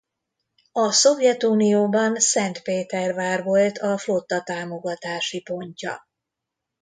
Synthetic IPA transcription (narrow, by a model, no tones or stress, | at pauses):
ɒso̞vjɛt̪uːnioːbɒnsɛnt̪peːt̪ɛrvaːrʋo̞lt̪ʰɒflo̞t̪ːɒt̪aːmo̞ɡɒt̪aːʃipo̞ɲcɒ̰